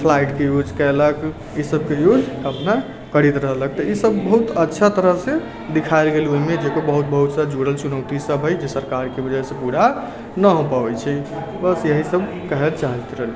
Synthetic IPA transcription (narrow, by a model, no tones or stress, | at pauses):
pʰlajʈkejod͡ʒkɛlək | isəb̚kejod͡ʒəpna | kəɾit̪ɾəɦlək̚t̪əisəbːəɦut̪ətːʃʰat̪əɾəɦse | d̪ikʰajlɡelioɦimed͡ʒekobəɦut̪̚bəɦut̪sad͡ʒuɽəlt͡ʃunəwt̪isəbʱɦəjd͡ʒesəɾkaɾkebəd͡ʒasẽpuɽa | nəɦopabɛt͡ʃʰɛ | bəsjəɦisəb | kəɦelt͡ʃaɦit̪ɾəɦl